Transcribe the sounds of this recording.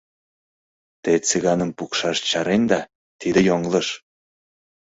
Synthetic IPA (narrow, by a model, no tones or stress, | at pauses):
t̪et͡siɣɑnə̆mpukʃɑʃt͡ɕɑɾenʲd̪ɑ | t̪id̪ə̆joŋlˠɤ̆ʃ